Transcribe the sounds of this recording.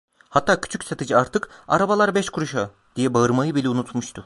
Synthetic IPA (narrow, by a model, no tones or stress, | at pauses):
hat̪ːaːcʰy̥t͡ʃʰycʲset̪ʰid͡ʒiaɾt̪ʰɯka̰ɾabalˠaɾbɛʃkʰuɾuʃa | d̪ijɛbaɯɾmajɯbilʲɛunut̪muʃt̪ʰʊ